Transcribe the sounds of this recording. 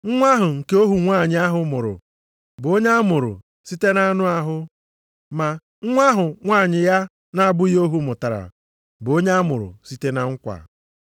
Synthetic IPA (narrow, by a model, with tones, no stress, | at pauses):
ŋ̩˦ŋʷa˦ɦʊ˨ŋ̩˨ke˦o˦ɦu˨ŋʷa˦˨ɲɪ˦a˦ɦʊ˨mʊ˨ɾʊ̰˨ | bʊ˨o˦ɲa˦mʊ˨ɾʊ̰˨ | si˦te˦na˦nʊ˦a˦ɦʊ˦ | ma˨ | ŋ̩˦ŋʷa˦ɦʊ˨ŋʷaː˦˨ɲɪ˨ja˦ | na˦a˦˨bʊ˦o˦ɦu˦mʊ˨ta˨ɾa̰˨ | bʊ˨o˦ɲa˦a˦mʊ̰˨ɾʊ̰˨si˦te˦na˦ŋ̩˦kʷa̰˨